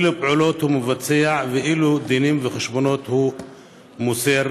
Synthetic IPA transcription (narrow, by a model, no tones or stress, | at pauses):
lupʕulo̞t̪humevat͡sɛaveʔilud̪inimveχeʃbono̞t̪hu | museɾ